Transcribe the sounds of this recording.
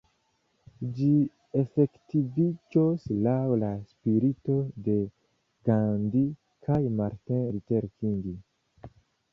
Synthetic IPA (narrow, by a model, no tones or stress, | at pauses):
d͡ʒi | e̞fe̞ktivid͡ʒoslawlaspiɾito̞de̞ | ɡandi | kʰajmaɾteɾit͡ʃe̞ɾkiŋɡi